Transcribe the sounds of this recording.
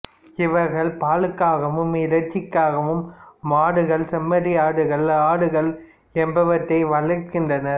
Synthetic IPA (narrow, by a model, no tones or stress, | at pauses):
ɪʋɐɾɣɐɭpaːɻɯkːaːɣɐʋɯmɪlɐɾt͡ʃːɪkːaːɣɐʋɯmːaːɽɯɣɐɭsɐmːɐðɪaːɽɯɣɐɭaːɽɯɣɐɭ | ɛmbɐʋɐʈːɐɪʋɐɭɐkːɪndrɐnɐɾ